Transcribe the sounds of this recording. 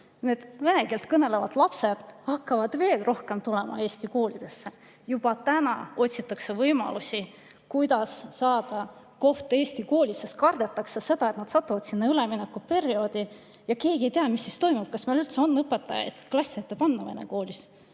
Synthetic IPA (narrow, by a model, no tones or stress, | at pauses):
ne̞ːd̪̥ve̞ne̞kilt̪kɤne̞le̞vɑd̪̥lɑpse̞d̪̥hɑkːɑvɑd̪̥ve̞ːlrʔo̞hke̞mt̪ulemɑ̰e̞ːsʲt̪iko̞ːlid̪̥e̞sːe̞ | jub̥ɑt̪ænɑ̰o̞tʲsit̪ːˑɑksevɤjmɑ̰lusʲi | kujd̪̥ɑsːɑːd̪̥ɑ | ko̞ht̪e̞ːsʲt̪iko̞ːlʲisːest̪kɑrd̪̥e̞t̪ːˑɑksese̞d̪̥ɑet̪nɑd̪̥sɑt̪ˑːuvɑd̪̥sinːɑyleminekːupe̞ɾio̞ːd̪̥i | jɑke̞ːɡie̞jt̪eɑmisːist̪o̞jmub̥̚kɑsmelylt̪se̞o̞nːɤpːˑet̪ːˑɑjɑ̰jd̪̥klɑsʲːet̪ːˑepɑnːɑve̞nḛko̞ːlʲis